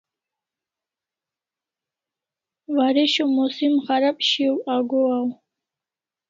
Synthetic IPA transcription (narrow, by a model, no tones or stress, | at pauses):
vaɾɛʃɔmɔsimʁaɾapʼʃiwaɡɔaw